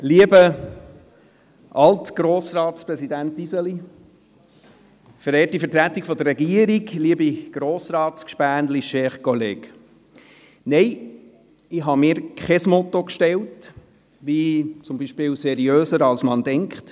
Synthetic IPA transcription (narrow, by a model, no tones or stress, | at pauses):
liəbə | ʔɑltɡ̥ɾoːsrɑːtspɾɛsid̪æntisəli | fəɾɛːtifəɾtɾæt̪ːikfɔd̪ərːɛɡiəɾiɡliəbiɡ̥ɾoːsɾɑːskʃpæːndliʃɛχkʰɔleːk | nɛɪ | ɪɦɑmɪːɾkʰχɛsmɔt̪ːokʃtɛlt | ʋit͡sʊmbiʃpɪːwsɛɾiøːsəɾɑlsmɑndɛŋkχt